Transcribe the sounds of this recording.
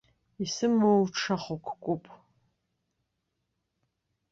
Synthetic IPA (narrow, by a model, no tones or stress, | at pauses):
isɨmɨwʈ͡ʂʰaχʷokʰʷkʷʼʊpʼ